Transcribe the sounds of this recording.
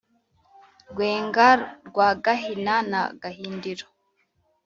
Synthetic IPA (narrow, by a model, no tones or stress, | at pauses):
ɡweːŋɡaɾɾɡwaːɡaɦinana̰ɡaɦiːndiɾo